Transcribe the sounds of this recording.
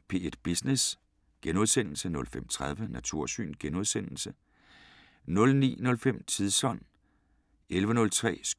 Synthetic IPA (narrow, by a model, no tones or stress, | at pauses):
pʰe̝ːed̥̚b̥isnes | ɡ̥enoðˠsen̰l̩sənɔ̽lfem̰t͡sʰʁað̞ˠʋənæt͡sʰuɐ̰sy̰ːnɡ̥enoð̞ˠsen̰l̩sə | nɔ̽lnḭːnɔ̽lfem̰t͡sʰiðˠsɒ̽n̰ | elʋənɔ̽lt͡sʰʁɛ̰ːs